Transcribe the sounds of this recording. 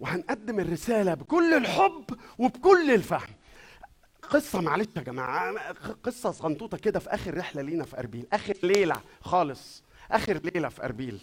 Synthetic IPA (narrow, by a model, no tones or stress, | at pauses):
wehænʔæd̪ːemerːesæːlæbekolːelħobːwebkolːelfahm | qesˤːɑmaʕleæɡæmæ̰ːʕqesˤːɑsɣɑnt̪ˤuːt̪ˤɑked̪æfiʔæ̰ːxeɾːeħlæliːnæfiʔɑ̰ɾˤbiːlʔæːxeɾleːlæ̰xɑːlesˤ | ʔæːxeɾleːlæfiʔɑ̰ɾˤbiːl